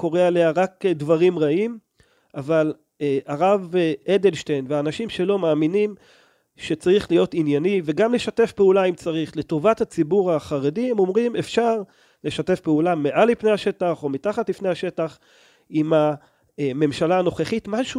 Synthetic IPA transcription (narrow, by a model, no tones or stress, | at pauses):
ko̞ʁealeaʁakdvaʁimʁaim | aval | aʁavedelʃtejnveaːnaʃimʃe̞lo̞maːminim | ʃet͡saʁiχlijo̞tinjaniveɡamle̞ʃate̞fpeulaimt͡saʁiχle̞to̞vatat͡sibuʁaχaʁe̞diemo̞mʁimefʃaʁ | le̞ʃate̞fpeulameʔalipnejhaʃe̞taχo̞mitaχatlifnejaʃe̞taχ | ima | me̞mʃalaːno̞χeχitmaʃu